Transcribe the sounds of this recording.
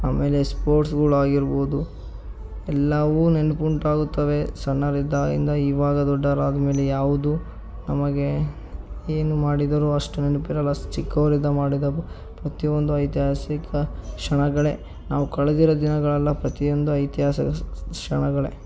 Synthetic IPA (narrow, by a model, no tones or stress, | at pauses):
aːme̞ːlespoːɾʈsɡuːɭuaːɡiɾbo̞ːd̪u | ɛlːɐʋune̞nupuɳʈaːɡut̪ːɐʋe̞sɐnːɐɾid̪aḭnd̪ɐiːʋaːɡɐd̪ɔɖːɐɾaːd̪ɐme̞ːlejaːʋud̪u | nɐmɐɡe̞ | eːnumaːɽid̪ɐɾuɐʂʈune̞nupiɾɐlːɐt͡ʃikːɐʋɐɾid̪ːɐmaːɽid̪ɐ | pɾɐt̪iond̪uɐjt̪jɦaːsikɐkʂɐɳɐɡɐɭe̞ | naːʋukɐɭed̪iɾɐd̪inɐɡɐɭɐlːɐpɾɐt̪io̞nd̪uɐjt̪jɦaːsɐɐʂɐɳɐɡɐɭḛ